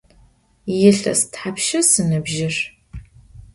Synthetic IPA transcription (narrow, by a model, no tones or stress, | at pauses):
jɪɬɐ̰stħapʃɐsɨnɨbʒɪr